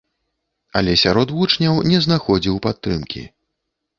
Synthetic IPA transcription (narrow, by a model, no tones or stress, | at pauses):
ɐlʲɛsʲaɾɔd̪vut͡ʂnʲɐwnʲɛznaxɔd͡zʲiwpat̪ːɾɨmkʲḭ